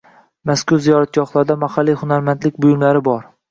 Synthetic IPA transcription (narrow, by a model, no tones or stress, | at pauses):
maskʊɾzijɒɾat̪̚ɡɒχlˠaɾd̪amahalːijhʊnaɾmant̪lɪkʲbʊjʊmlaɾɪbɒɾ